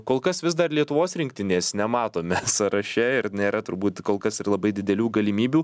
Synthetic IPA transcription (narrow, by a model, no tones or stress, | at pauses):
koːlˠkɐsʋʲɪsd̪ɐrlʲiɛt̪ʊʋoːsɾʲɪŋk̚t̪ʲɪnʲeːsnʲɛmɑːt̪oːmʲɛsɐɾɐʃʲɛɪɾnʲeːɾɐt̪ʊɾbuːt̪koːlˠkɐsɪrlˠɐbɐɪd̪ʲɪd̪ʲɛlʲuːɡɐlʲɪmʲiːbʲuː